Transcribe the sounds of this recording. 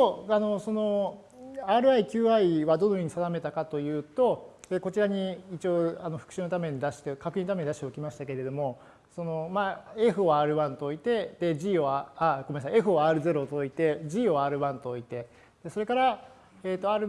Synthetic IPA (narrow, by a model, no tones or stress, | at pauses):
oano̞so̞no̞ | aːɾɯ̟aikʲɨːaiβad̪o̞nojoɲ̟isad̪ame̞t̪akat̪o̞jɯ̟ːt̪o̞eko̞t͡ɕiɾaɲ̟iit͡ɕio̞ːano̞ɸɯ̟kɯ̟̥ɕɨːnot̪ame̞ɲ̟id̪aɕi̥t̪ekakɯ̟ĩnot̪ame̞ɲʲid̪aɕit̪eokʲimaɕi̥t̪akeɾe̞d̪o̞mo̞ | sono̞mae̞ɸɯ̟oaːɾɯ̟βãnt̪o̞ːit̪e̞d̪̥e̞ʑiːoaaɡomiasãe̞ɸɯ̟oaːɾɯ̟ze̞ɾo̞t̪oːit̪e̞ʑiːoːaːɾɯ̟βãnt̪oːit̪e̞ | d̪̥e̞so̞ɾe̞kaɾa | eːt̪ːo̞aːɾɯ